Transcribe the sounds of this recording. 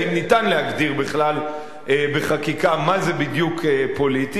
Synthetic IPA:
imnitanlehaɡdiʁbiχlal | ebeχakikamazebidjukepo̞liti

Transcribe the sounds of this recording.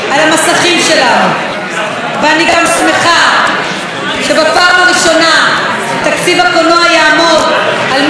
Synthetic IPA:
alamasaχimʃe̞lanu | veaniɡamsmeχa | ʃe̞bapaːmaʁiʃo̞na | t̪akt͡sivakonoajaːmo̞d | alm

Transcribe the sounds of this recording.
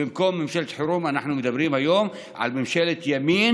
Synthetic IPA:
ɪmkoːmːɪmʃælt̪ħʊɾuːmænaħnʊmɪd̪æbɾiːmhæjoːm | ʕa̰lbɪmʃælɪt̪jæmiːn

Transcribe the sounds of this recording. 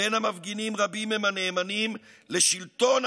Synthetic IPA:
enamavɡinimʁabimemhane̞ːmanimle̞ʃilt̪o̞n

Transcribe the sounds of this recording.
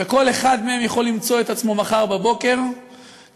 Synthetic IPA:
eko̞le̞χad̪meemjaχo̞lːimt͡so̞et̪at͡smo̞maχaʁbabo̞ke̞ʁ

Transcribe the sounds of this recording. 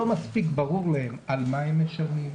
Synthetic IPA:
omaspikbaʁuʁlahemalmaemːeʃanim

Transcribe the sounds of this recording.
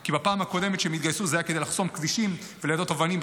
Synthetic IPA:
kibapaːmhako̞d̪e̞met̪ʃeemit̪ɡajsuzajaked̪ejlaχso̞mkdiʃim | veledo̞t̪ovanim

